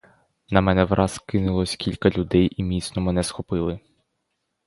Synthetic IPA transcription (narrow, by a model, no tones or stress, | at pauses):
nɐmɛnɛʋɾʔɑskɪnʊlˠɔsʲkʲilʲkɐlʲʊd̪ɛjimʲisnɔmɛnɛsxɔpɪlˠɪ